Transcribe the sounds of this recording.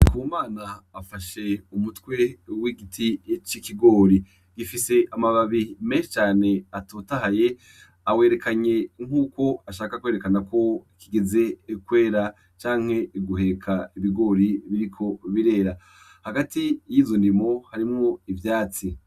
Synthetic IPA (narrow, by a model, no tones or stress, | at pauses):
kumaːnaːfaʃe̞umutwe̞wiɡitʰijet͡ʃikiɡo̞ːɾi | ɡ̥ifise̞ʔamaβaβimeːnʃe̥t͡ʃaːne̞atotaɦaje̞ | aweːɾe̞kaɲeŋ̥uːko̞aʃaːkakwe̞ːɾekanako̞ikiɡeze̞kwe̞ːɾa | t͡ʃaːŋ̥he̞iɡuɦe̞ɾekʰaiβiɡo̞ːɾiβiɾikʰo̞βiɾe̞ːɾa | haɡatijiːzondimo̞haɾimŋoivjaːt͡si